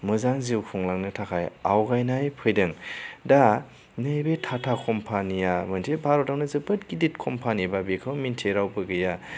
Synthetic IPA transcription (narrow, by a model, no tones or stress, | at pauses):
mɯzaŋziwkʰɔŋlaŋnɯtʰakʰaja̰wɡajnajpʰɯjdɯŋda | nɯjbetʰatʰakʰɔmpʰanijamɐntʰebʱaɾɔtawnɯzɯbɯt̚ɡidit̚kʰɔmpʰanibabekʰɯwmintʰeɾawbɯɡɯja